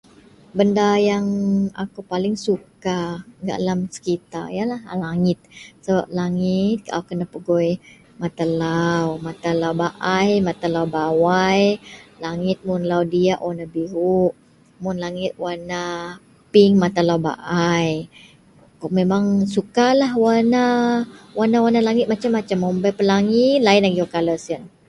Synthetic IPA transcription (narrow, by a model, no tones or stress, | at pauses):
bəndajaŋa̰kupalɪŋsukaɡa̰ʔlamsə̥kit̪aijalahlaŋɪt̪̚səbap̚laŋɪt̪̚kaʔa̰wkənapəɡɔj | mat̪alawmat̪alawbaʔajmat̪alawbawajlaŋɪt̪̚mʊnlawdiaʔwʔanabiɦuʔ | mʊnlaŋɪt̪̚wana | piŋmat̪alawba̰ʔaj | memaŋsukalaɦwanawanawanalaŋɪt̪̚mat͡ʃamːat͡ʃamːombajpəlaŋilainaɡiokaləsən